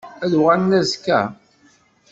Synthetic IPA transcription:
æðwʁænnæzkːæ̰

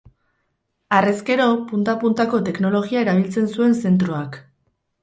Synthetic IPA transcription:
are̞ske̞ɾo̞punt̪apunt̪ako̞t̪e̞kno̞lo̞ɣiae̞ɾaβ̞ilt͡se̞nsue̞nse̞nt̪ɾoak

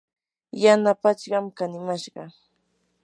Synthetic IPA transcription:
janapat͡ʃɢɑmkanɪmaʃɢɑ

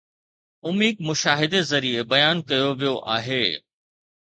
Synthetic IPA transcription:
ʊmiːɡmʊʃaːɦɪd̪ezɐɾiebɐjaːnkɐjoʋijoʔa̰ːɦeː

